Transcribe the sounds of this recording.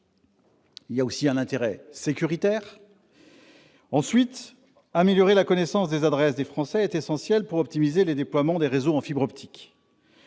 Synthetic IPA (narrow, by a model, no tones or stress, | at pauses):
iljaosiɛ̃nɛ̃t̪eʁɛsekʲyʁit̪ɛːʁ | ɑ̃sɥit̪ | ameljɔʁelakɔnesɑ̃sd̪ezad̪ʁɛs̬d̪efχɑ̃sɛːt̪esɑ̃sjɛlpuʁɔp̚t̪imizeled̪eplwamɑ̃d̪eʁezoɑ̃fibʁɔpt̪ʰi̥k